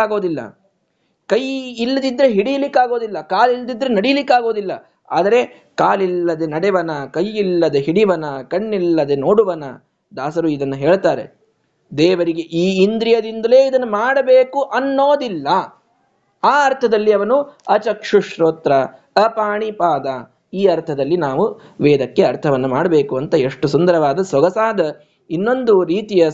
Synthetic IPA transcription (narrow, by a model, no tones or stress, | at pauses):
aːɡo̞ːd̪ilːɐ̰ | kɐjilːɐd̪id̪ːɐɾeɦiɽijɐlikːaːɡo̞ːd̪ilːɐkaːlilːd̪id̪ːɐɾenɐɽijlikːaːɡo̞ːd̪ilːɐ̰ | a̰ːd̪ɐɾe̞ | kaːlilːɐd̪enɐɽɛʋɐnɐkɐjːilːɐd̪eɦiɽiʋɐnɐkɐɳːilːɐd̪eno̞ːɽuʋɐnɐ̰ | d̪aːsɐɾuid̪ɐnːɐɦeːɭt̪aːɾe̞̰ | d̪eːʋɐɾiɡeʔiːind̪ɾijɐd̪ind̪ɐle̞ːid̪ɐnːumaːɽɐbeːkuʔɐnːoːd̪ilːɐ | aːɐɾt̪ʰɐd̪ɐlːiɐʋɐnuɐt͡ʃɐkʂuʃɾoːt̪ɾɐ | ɐpaːɳipaːd̪ɐ | iːɐɾt̪ʰɐd̪ɐlːinaːʋuʋɛːd̪ɐkːeɐɾt̪ʰɐʋɐnːɐmaːɽɐbeːkuɐnt̪ɐeʂʈusund̪ɐɾɐʋaːd̪ɐsʋɐɡɐsaːd̪ɐ | inːo̞nd̪uɾiːt̪ijɐ